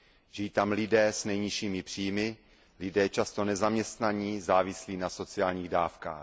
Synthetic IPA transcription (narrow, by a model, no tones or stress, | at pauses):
ʒɪjiːt̪amlɪdɛːsnɛjɲɪʃiːmɪpr̝̥iːmɪ | lɪdɛːt͡ʃast̪o̞nɛzamɲɛst̪naɲizaːvɪsliːnaso̞t͡sɪaːlɲiːɣdaːfka̰ːx